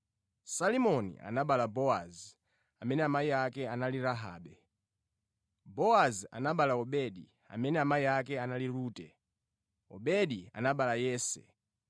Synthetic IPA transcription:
salimɔnḭa̰naɓalabɔa̰z | amɛnɛamaiakɛanaliɾaɦa̰ːɓɛ | bɔazia̰naɓalaɔɓɛɗi | a̰mɛnɛamaiakɛanaliɾuːtɛ | ɔ̰ɓɛɗia̰naɓalajɛːsɛ̰

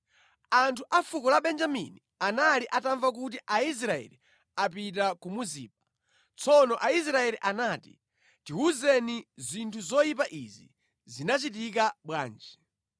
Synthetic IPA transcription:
antʰuʔafukɔlaɓɛnd͡ʒamḭni | analiʔataɱvakut̬iʔais̬ɾaɛ̰li | apit̬akumuzḭːp̚a | t͡sɔnɔʔais̬ɾaɛliʔanaːtḭ | tiuzɛnizintʰuzɔjip̬aʔizḭ | zinat͡ʃit̬ik̬aɓwa̰ːnd͡ʒɛ

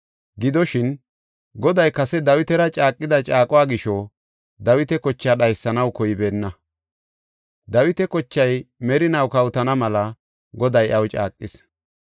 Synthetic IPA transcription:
ɡɪd̪ɔʃɪn | ɡɔd̪ɐjkɐsɛd̪ɐwɪt̪ɛɾɐt͡ʃʼaːkʼːɪd̪ɐt͡ʃʼaːkʼɔwaːɡɪʃɔ | d̪ɐwɪt̪ɛkɔt͡ʃːaːɗɐjsːɐnɐwkɔjɪbe̞ːnːɐ | d̪ɐwɪt̪ɛkɔt͡ʃːɐjmɛɾɪnɐwkɐwt̪ɐnɐmɐlɐ | ɡɔd̪ɐjʔɐwt͡ʃʼa̰ːkʼːɪs

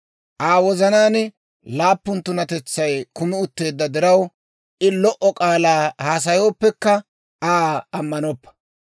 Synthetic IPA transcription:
ʔaːwɔzɐnaːnɪ | laːpːʊnt̪ʊnɐt̪ɛt͡sːɐjkʊmɪʊt̪ːe̞ːd̪ːɐd̪ɪɾɐw | ʔɪlɔʔɔkʼaːlaːhaːs̬ɐjo̞ːpːɛkːɐ | aːɐmːɐnɔpːɐ̥

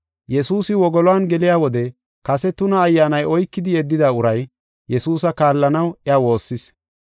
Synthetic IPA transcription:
jɛsuːsɪwɔɡɔlɔaːnɡɛlɪjaːwɔd̪ɛ | kɐsɛt̪ʊnɐːjːaːnɐjɔjkːɪd̪ɪjɛd̪ːɪd̪aːʊɾɐj | jɛsuːsɐkaːlːɐnɐwɪawo̞ːsːɪs

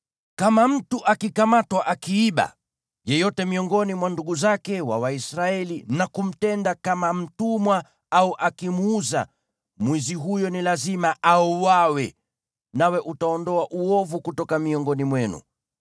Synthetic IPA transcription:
kamam̩tuʔakikamatwaʔakiiɓa̰ | jɛjɔtɛmiɔŋɡɔnimwanduɠuzakɛwa̰waisɾaɛlinakum̩tɛndakamam̩tumwa | auʔakimuza̰ | mwiziɦujɔnilazimaʔauwawɛ | nawɛʔutaɔndɔaʔuɔvukutɔkamiɔŋɡɔnimwɛnṵ

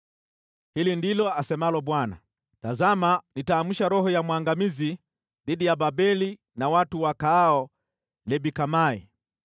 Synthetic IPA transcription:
hilindilɔasɛmalɔɓwana̰ | tazamanitaːmuʃaɾɔhɔjamwaŋɡamizi | ðiɗijababɛli | nawatuwakaːɔ | lɛbikamaḭ

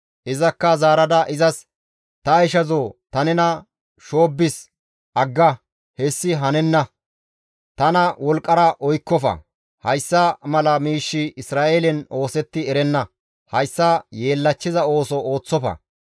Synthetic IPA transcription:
ʔɪzɐkːɐzaːɾɐd̪ɐʔɪzɐs | t̪ɐjʃɐzot̪ɐnɛnɐ | ʃo̞ːbːɪs | ʔɐɡːɐ | hɛsːɪɦɐnɛnːɐ | t̪ɐnɐwɔlkʼːɐɾɐʔɔjkːɔfɐ̰ | hɐjsːɐmɐlɐmiːʃːɪɪsɾaːʔelɛno̞ːsɛt̪ːɪɛɾɛnːɐ | hɐjsːɐje̞ːlːɐt͡ʃːɪzɐo̞ːsɔoːt͡sːɔfɐ̰

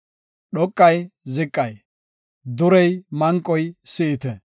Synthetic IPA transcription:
ɗɔkʼːɐjzɪkʼːɐj | d̪ʊɾɛjmɐŋkʼːɔjsɪʔɪt̪ɛ

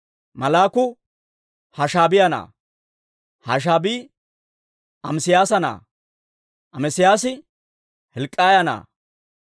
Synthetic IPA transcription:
mɐlaːkʊ | hɐʃaːbɪjɐna̰ː | haʃ̬aːbiː | ʔɐmsɪjaːsɐna̰ː | ʔɐmɛsɪjaːsɪ | hɛlkʼːaːjɐna̰ː

